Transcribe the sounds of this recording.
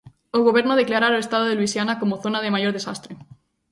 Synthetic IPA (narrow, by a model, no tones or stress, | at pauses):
oɣo̞β̞e̞ɾnoð̞e̞klaɾaɾoest̪að̞oðelwisjanako̞moθo̞naðe̞majo̞ɾðe̞sast̪ɾe